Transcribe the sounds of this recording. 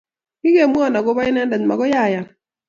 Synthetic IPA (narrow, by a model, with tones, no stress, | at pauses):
kɪ˦ɡe˨mu˦ɔ˦˨na˨ɡɔ˦ba˦ɪ˦nɛ˦nda˨ɲma̰˨ɡɔ˦ja˦˨ja˨